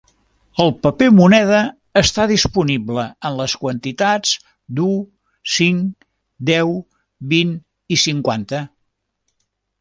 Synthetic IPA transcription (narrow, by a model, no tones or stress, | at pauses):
əlˠpəpemunɛðəː | st̪aðispunibləənləskwənt̪it̪ad͡z | d̪u | siŋk | d̪ɛw | bin | isiŋkwant̪ə